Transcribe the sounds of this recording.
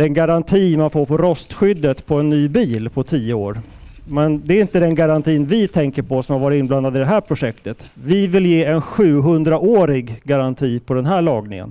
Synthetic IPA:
d̪̥ɛnɡaɾant̪ʰiːmanfoːɾpɔɾɔst̪ɧʏd̪ːət̪pʰɔɛnːyːbiːlpʰɔt̪ʰiːəo̰ːɾ | mɛnd̪ɛɾɪnt̪əd̪ɛnɡaɾant̪ʰiːnvɪt̪ʰɛŋkəɾpɔsɔmhaɾvɑːɾɪɪnbland̪ad̪ɪd̪ɛɦæːɾpʰɾʊʂɛkt̪ət̪vɪvɪljeːɛnɧʉ̟ːɦɵnd̪ɾaʔoːɾɪɡːaɾant̪ʰiːpʰɔd̪ɛnɦæːɭɑːɡnɪ̰ŋə̰n

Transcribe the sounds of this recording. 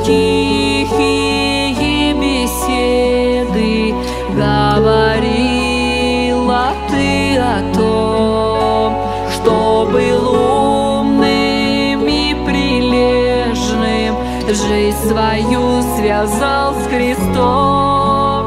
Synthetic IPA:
tʲixi | jɪbʲɪsʲeed̪ɨ | ɡəvɐɾʲi | lˠət̪ɨɐt̪o | m | ʂt̪obɨlˠu | mnɨ | mi | pɾʲɪɪlʲe | ʐnɨ | m | ʐɨtʲsvɐjusvʲazalˠsʲxɾʲɪst̪o

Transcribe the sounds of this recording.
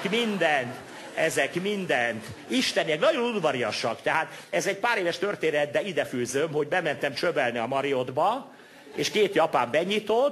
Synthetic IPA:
kmind̪ɛnt̪ | ɛzɛkmind̪ɛnt̪iʃt̪ɛniɛknɒɟonud̪vɒɾiɒʃɒkt̪ɛɦaːt̪ɛzɛc̚paːɾeːvɛʃt̪ø̞rt̪eːnɛt̪̚bɛid̪ɛfyːzømhoɟbɛmɛnt̪ɛmt͡ʃøbɛlniɒmɒɾiod̪bɒ | eːʃkeːt̪jɒpaːmbɛɲit̪ot̪

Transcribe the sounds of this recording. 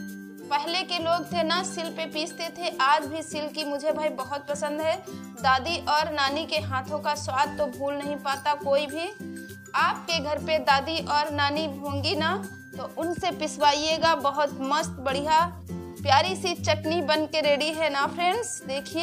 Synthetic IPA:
pɛɦlekeloːɡ̚t̪ʰenasɪlpepiːd͡ʒt̪et̪ʰeʔaːd͡ʒbʱisɪlkimʊd͡ʒʱebʱaːibɐɦʊt̪̚pɐsə̃nd̪ɦɛ | d̪aːd̪iʔɔːɾnaːnikeɦãːt̪ʰõkaswaːd̪̚ʱt̪obʱuːlnɐɦĩpaːt̪akoːibʱi | aːp̚keɡʱɐɾped̪aːd̪iʔɔːɾnaːnibʱõːŋɡina | t̪oʔʊnsepɪswaːieɡabɐɦʊt̪məst̪bɐɽ̤ija | pjaːɾisit͡ʃɐʈnibɐnkeɾeːɽiɦɛnapʰɾẽːɳɖsd̪eːkʰie

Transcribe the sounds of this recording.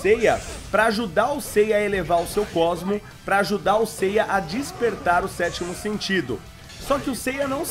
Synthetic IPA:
sejɐpɾɐaʒud̪aɾʊsejɐɐelevaɾʊsewkɔzmʊ | pɾɐːʒud̪aɾʊsejɐʔɐd͡ʒispeɾt̪aɾʊsɛt͡ʃimʊsẽnt͡ʃid̪ʊ̰ | sɔkɪʊsejɐnɐ̃w̃

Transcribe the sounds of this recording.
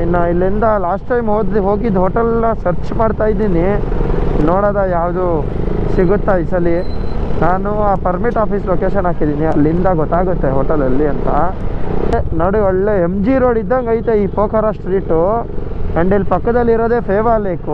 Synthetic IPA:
nailːind̪ɐlaːsʈːɐjmɦoːd̪liɦo̞ːɡid̪ɦoːʈɐlnɐsɐɾt͡ʃmaːɖt̪aːjid̪iːni | noːɽaːd̪ajaːwd̪u | siɡut̪ːaisɐlinaːnuaːpɐɾmiʈaːpiːsloːkeːʃɐnaːkid̪iːniɐlːind̪ɐɡɔt̪ːaːɡut̪ːeɦoːʈɐlɐlːiɐnt̪ɐ | enoːɽiɔɭːeemd͡ʒiɾoːɽid̪ːɐŋɡɐjt̪eiːpoːkʰɐɾaːsʈɾiːʈu | ɐɳɖilːipɐkːɐd̪ɐlːiɾoːd̪e̞ːpʰeːʋaːbeːku

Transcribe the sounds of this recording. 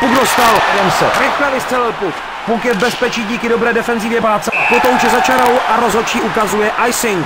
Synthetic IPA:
pukdost̪aljɛmsɛɾɛklɛvɪst̪r̥ɛlɪlpuk | pukjɛvbɛspɛt͡ʃiːɟiːkɪdo̞bɾɛːdɛfɛnzivjɛbaːt͡sɛpɾot̪owut͡ʃɛzat͡ʃaɾowʔaɾo̞zɦot͡ʃiːʔukazujɛʔajsɪŋk

